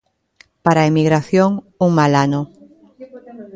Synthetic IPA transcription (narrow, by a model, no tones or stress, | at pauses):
paɾaemiɣɾaθjoŋ | uŋmalano